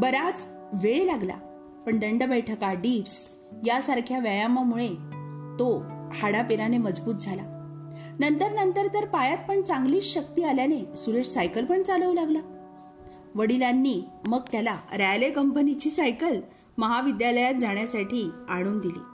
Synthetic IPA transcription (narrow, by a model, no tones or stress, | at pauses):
bəɾat͡s | ʋeɭelaɡla̰ | pəɳɖəɳɖəbəjʈʰəkaɖips | jasaɾkʰjaʋjajamamuɭet̪ohaɽapeɾaneməd͡zbuːt̪̚d͡zʱala | nənt̪əɾnənt̪əɾt̪əɾpajat̪̚pəɳt͡saŋɡliːɕəkt̪iːaljanesuɾeʂsajkəlpəɳt͡saləʋlaɡla | ʋəɽilanːiːməɡt̪jalaɾalekəmpənit͡ɕiːsajkəl | məɦaʋid̪jaləjat̪̚d͡zaɽ̃jasaʈʰiːaɽ̃uːnd̪ilḭː